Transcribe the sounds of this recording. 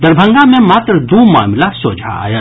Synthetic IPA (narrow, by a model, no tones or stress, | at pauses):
d̪ɐɾbʱə̃ŋɡãmẽmaːt̪ɾd̪uːma̰ːmɪlasoːd͡ʒʱa̰ːja